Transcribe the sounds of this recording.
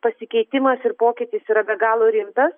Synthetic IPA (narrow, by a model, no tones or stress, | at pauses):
pɐsʲɪkʲɛɪt̪ʲɪmɐsɪɾpoːkʲɪt̪ʲɪsiːɾɐbʲɛɡɑːlˠoɾʲɪmt̪ɐs